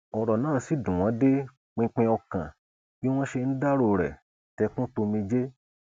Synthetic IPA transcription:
ɔ˨ɾɔ˨nãː˦˨˧si˨˦dũ˨w̃ɔ̃˨˦de˦ | k͡pĩ˧k͡pɛ̃˧ɔ˧kã̰˨ | ke˦w̃ɔ̃˦ʃe˧n̩˦da˦ɾo˧˨ɾɛ̰˨ | tɛ˧kũ˦to˧mĩ˧d͡ʒe˦

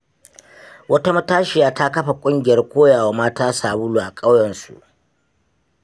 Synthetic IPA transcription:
wɐ˦ta˦mɐ˦taː˦ʃɪ˨jaː˦ta˦kɐ˦ɸa˨kʷʼʊ˦ŋɡʲɪ˨jɐ˦rkʷoː˦jaː˨wa˦maː˦taː˦saː˨bʊ˦luː˨ʔa˨kʼa˦wjɛ˨nsṵ˨ʔ

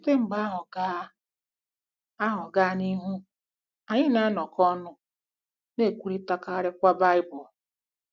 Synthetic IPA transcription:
te˦ŋ͡m̩˨ɡ͡ba˦ɦʊ˨ɡa˦ | a˦ɦɔ˨ɡa˦ni˦ɦu˦ | a˨ɲɪ˦na˦a˦nɔ˨kɔ˦nʊ˦ | ne˦˨kʷu˨ɾi˦ta˦ka˦ɾɪ˦kʷa˦ba˦ɪ˦bʊ˨

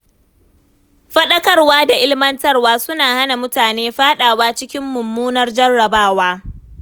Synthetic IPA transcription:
ɸɐ˦ɗɐ˦kɐ˦rwaː˦da˨ʔɪ˦lmɐ˦ntɐ˦rwaː˦sʊ˦naː˨ha˦na˨mʊ˦taː˨neː˦ɸaː˦ɗaː˨waː˦t͡ʃɪ˦kʲɪ˦mːʊ˨mːuː˦nɐ˦rd͡ʒɐ˦rːɐ˨baː˦waː˦

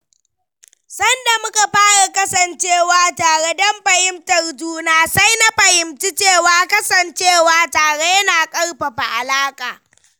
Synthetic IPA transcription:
sɐ˦nda˨mʊ˦ka˨ɸaː˦ɽa˨kɐ˦sɐ˨nt͡ʃeː˦˨waː˨taː˨ɽe˦dɐ˦mɸɐ˨hɪ˦mtɐ˨rd͡ʒuː˦naː˦sa˦jna˦ɸɐ˨hɪ˨mti˦t͡ʃeː˦˨waː˨kɐ˦sɐ˨nt͡ʃeː˦˨waː˦taː˨ɽe˦ja˦naː˨kʼɐ˦rɸa˨ɸa˨ʔa˨laː˦kʼaː˨

